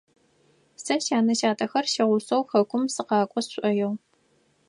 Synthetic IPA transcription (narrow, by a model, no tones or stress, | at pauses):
sɐʃaːnɐʃaːtʰʼɐxɐrʃɐʁʷʊsɐwxɐkʷʊmsɨqɑːkʷʼɔsɕʷʼɐjɛw